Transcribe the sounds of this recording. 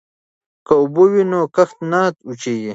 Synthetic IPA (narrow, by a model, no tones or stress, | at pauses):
kaubowinokɐxt̪naːt̪ut͡ʃeɡi